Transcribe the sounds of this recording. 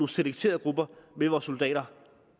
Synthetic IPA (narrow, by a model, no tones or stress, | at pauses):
use̝leɡ̥̚t͡sʰe̝̰ːɐð̩ˠɡ̥ʁub̥ɐmeʋɒːsːo̝ld̥ɛ̰ːɾ̥ɐ